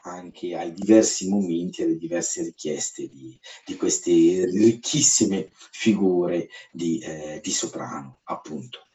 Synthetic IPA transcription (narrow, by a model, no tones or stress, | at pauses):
aŋkʰeajd̪ivɛrsimoment̪ialːed̪ivɛrseɾikjɛst̪ed̪id̪̥ikwest̪erikʰːisːimefiɡuːɾed̪id̪isopɾa̰ːnoapːunt̪o̥